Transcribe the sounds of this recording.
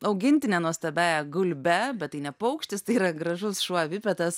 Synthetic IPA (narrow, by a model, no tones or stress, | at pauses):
ɐʊɡʲɪnʲt̪ʲɪnʲɛːnuɔst̪ɐbʲæːjɛɡʊlʲbʲɛbʲɛt̪t̪ːɐɪnʲɛpɐʊkʃʲt̪ʲɪst̪ɐɪiːɾɐɡɾɐʒʊsʃuɔʋʲɪpʲɛt̪ɐs